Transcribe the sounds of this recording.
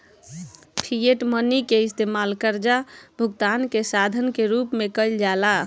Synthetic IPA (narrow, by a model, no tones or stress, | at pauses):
pʰijeʈmənikeist̪emalkəɾd͡ʒabʱuɡt̪ankesad̪ʱənkeɾupmekəɪld͡ʒala